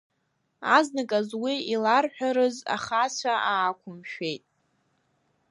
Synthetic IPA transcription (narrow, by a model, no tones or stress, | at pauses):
aznakʼazwiilarħᶣaɾɨza̰χat͡ɕʷʰaʔaːkʷʰʊmʃᶣe̞jtʼ